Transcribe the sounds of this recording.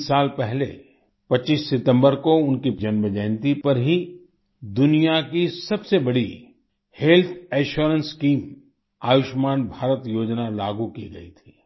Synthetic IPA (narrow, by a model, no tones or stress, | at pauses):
aːlpɛɦlḛ | pɐtːt͡ʃːiːsːɪt̪ə̃mbəɾkoʊnkid͡ʒɐnməd͡ʒɛːnt̪ipɐɾɦi | d̪ʊnijakisɐbsebɐɽi | heːlt̪ʰɛːʃoːɾə̃nskiːm | aːʋɪʃmaːnbʱaːɾət̪joːd͡ʒnalaːɡukiɡɐ̰ḭt̪ʰi̥ː